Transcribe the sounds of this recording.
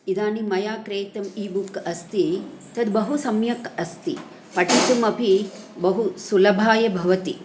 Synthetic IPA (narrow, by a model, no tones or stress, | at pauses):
id̪aːnimɐjaːkɾeːt̪ɐmiːbukɐst̪i | t̪ɐd̪bɐɦusɐmjɐkɐst̪ḭ | pɐʈit̪ɐmɐpi | bɐɦusulɐbʱaːjɐbʱɐʋɐt̪i